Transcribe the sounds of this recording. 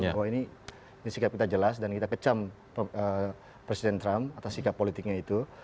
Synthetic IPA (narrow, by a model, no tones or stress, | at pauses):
awaini | disikap̚kit̪ad͡ʒəlasdankit̪akət͡ʃam | ə | pɾesidɛnt̪ɾamat̪asːikapːolit̪ɪk̚ɲait̪u